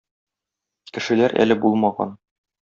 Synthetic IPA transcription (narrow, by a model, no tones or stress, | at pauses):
kɘ̆ʃɘ̆læɾʔæ̰lɘbulˠmɑʁɑ̰n